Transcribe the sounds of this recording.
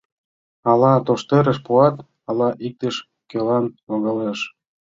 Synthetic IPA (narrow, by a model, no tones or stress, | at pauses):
ɑlɑt̪oʃt̪eɾə̆ʃpuɑt̪ | ɑlɑʔik̚t̪ə̆ʃ | kelɑnlɑɣɑleʃ